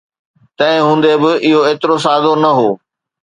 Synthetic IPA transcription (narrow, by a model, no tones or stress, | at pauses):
t̪ɐ̃ɦɪ̃ɦũːnd̪ebɪʔɪɦoeːt̪ɪɾos̬aːd̪onɐɦoː